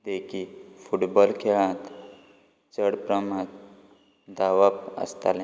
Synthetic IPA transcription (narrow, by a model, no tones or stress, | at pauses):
d̪ekʰifuʈbɔlkʰeɭãt̪ | t͡səɽpɾəmãt̪̚ | d̪aʋapə̰st̪a̰l